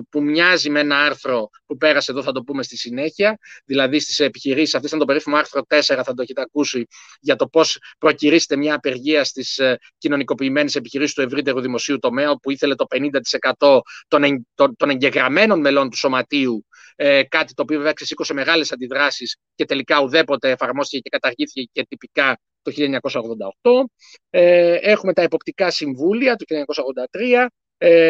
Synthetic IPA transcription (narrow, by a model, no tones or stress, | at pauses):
pumɲɐzimeenɐɐɾθɾo̞ | pupe̞ɾɐse̞ðoθɐt̪o̞pume̞st̪isine̞çiɐðilɐðist̪i̥se̞piçiɾisisɐft̪es̬ɐnt̪o̞pe̞ɾifimoɐɾθɾo̞t̪e̞se̞ɾɐθɐd̪oeçet̪eɐkusi | ʝɐt̪o̞po̞spɾo̞ciɾiset̪e̞mɲɐːpe̞ɾʝiɐst̪is | cino̞niko̞piːme̞nese̞piçiɾisist̪ue̞vɾit̪e̞ɾuðimo̞siut̪o̞me̞ɐopuiθe̞le̞t̪o̞pe̞nind̪ɐt̪i̥se̞kɐt̪o̞t̪o̞net̪ot̪o̞ne̞ɲɟe̞ɣɾɐme̞no̞nme̞lo̞nt̪u̥so̞mɐt̪iu | ekɐt̪it̪opioveveɐksesikose̞me̞ɣɐle̞sɐnd̪iðɾɐsis | ce̞t̪e̞likɐuðe̞po̞t̪e̞ːfɐɾmo̞st̪icece̞kɐt̪ɐɾʝiθice̞ce̞t̪ipikɐ | t̪oçilʎɐeɲɐko̞sɐo̞ɣðo̞nd̪ɐo̞xt̪o̞ | ee̞xume̞t̪ɐe̞po̞pt̪ikɐsiɱvuliɐt̪oçilɐeɲɐko̞sɐoɣðo̞nd̪ɐt̪ɾiɐ